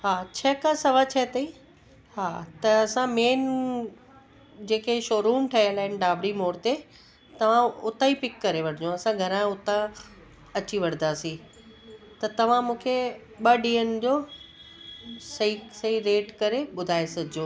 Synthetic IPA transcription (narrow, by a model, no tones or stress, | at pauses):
ɦaːt͡ɕʰɐkãsɐʋət͡ɕʰɐt̪ɐĩ | ɦaːt̪ɐɐsãmeːn | d͡ʑeːkeʃoːɾuːmʈʰɐiəlaːɪnɪ̆ɖaːbɾimoːɾt̪e | t̪ɐʋ̤ãʊt̪aipɪkːɐɾeʋɐɽ̤ɪd͡ʑõɐsãɡʱɐɾãʊt̪ã | ɐt͡ɕiʋɐɽ̤d̪aːsĩ | t̪ɐt̪ɐʋ̤ãmũːkʰe | ɓɐɖiːənd͡ʑoː | sɐisɐiɾeːʈkɐɾeɓʊd̪ʱaːesɐɡʱɪd͡ʑõː